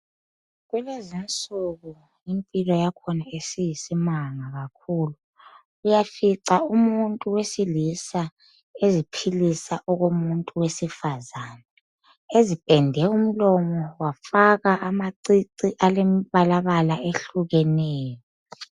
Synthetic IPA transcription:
ɣwɛlezint͡sʼuɣu | impʼilɔjakʰɔnaesijisimaŋaɣakʰuːluː | jafiǀaumuntʼuwesilisa | ezipʰilisaʔɔɣomuntʼuwesifazaːna | ezipʼɛndʱɛum̩lɔmɔwafaɣaʔamaǀiǀiʔalemiβalaβalaeɬuɣɛnɛːjɔ

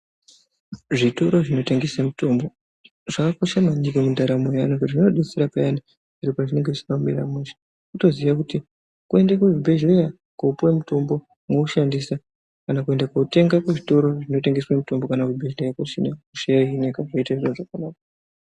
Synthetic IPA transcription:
ʐito̞ɾo̞ʐino̞teŋɡesamuto̞mbo̞ | ʐakakoʃamaɲikemundaɾamejaneŋɡeʐinoɗet͡seɾapajani | iɾipat͡ʃine̞ŋɡet͡ʃi̥pameɾa̰mweʃe̥ | kuto̞ziʋak̬uti | kue̞ndakuʐibʱe̞ʒeja | koupwemuto̞mbo̞ | mouʃandisa | kanakue̞ndakoute̞ŋɡakweʐito̞ɾo̞ʐino̞teŋɡeswamuto̞mbo̞kanakuibʱeʒlejakoʃinakuʃejainekaʐoitaʐioʐakanaːka

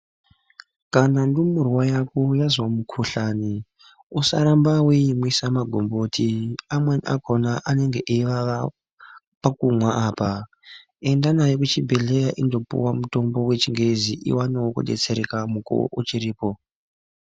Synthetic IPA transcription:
kanandumurwajakojazwamukʰuɬani | usa̰ɾambaweimwisamaɡʱombotʰiamwaniʔa̰kʰonaʔane̞ŋɡeʔiʋa | pakumwaʔaːpa | e̞ndanajok̬ut͡ʃibʱeɮejaʔindo̞pṵwamuto̞mbo̞we̞t͡ʃiŋɡe̞ziʔḭwanawokṵɗe̞̰t͡se̞ɾekamuko̰ʔṵt͡ʃiɾiːpo̞

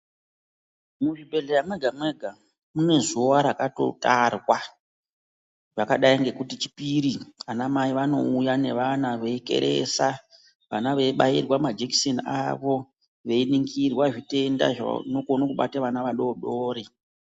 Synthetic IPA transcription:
muʐibʱe̞ɮejamwe̞ɡʱamwe̞ɡʱa | mune̞zuoʋaɾakato̞̰tarwa | ʐ̥akaɗaiŋɡe̞kutit͡ʃi̥piɾianamaiʋano̞ujane̞ʋanaʋe̞ike̞̰ɾʔe̞̰sa | ʋanaʋeiɓairwamad͡ʒekisenia̰ʋo̞ | ʋe̞iniŋɡirwaʐite̞nda̰ʐa̰nokonokuɓa̰taʋanaʋaɗo̞ɗoːɾe

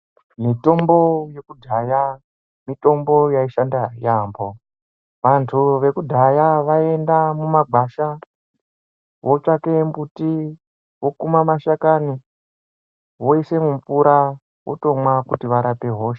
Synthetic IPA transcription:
mito̞mbo̞je̞kudʱaja | mito̞mbo̞jaiʃandajaːmbo̞ | ʋantʰuʋe̞kudʱajaʋae̞ndamumaɡʱaʃa | wʔot͡ʂakembuti | wo̞kumamaʃakani | woise̞mump͡fuɾa | wʔo̰to̞mwakutiʋaɾape̞ɦo̞ʃe

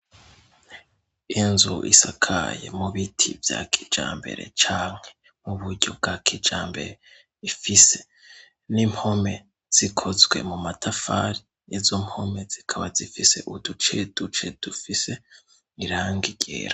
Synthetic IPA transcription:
inzuʔḭsakʰa̰jḛmuβitʰḭvja̰kʰi̥d͡ʒa̰ːmbe̞̰ɾe̞̰t͡ʃaːŋ̥he̞ | muβuɾɟo̞b̚ɡakʰid͡ʒaːmbe̞̰ɾe | ifise̞̥ | nim̥ho̞me̞ | z̥ikʰo̞zwe̞̰mumatʰafa̰ɾi | nezom̥ho̞mez̥ikʰaβazifise̞̰ʔudut͡ʃed̥ut͡ʃe̞d̥ufise̞ | iɾaːŋɡiɟḛːɾa

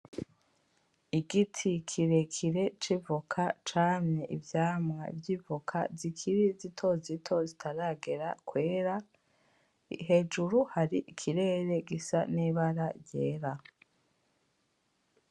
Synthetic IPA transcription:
iɡitʰikʰiɾe̞kʰiɾe̞t͡ʃivukʰat͡ʃaːmɲeʔivjaːmŋa̰vjivukʰa̰zikʰiɾizitʰo̞zitʰo̞zitʰaɾaɡe̞ɾakwe̞ːɾa | iɦe̞d͡ʒuɾuhaɾiʔikʰiɾe̞ːɾe̞ɡisa̰niːβaɾaɾjeːɾa

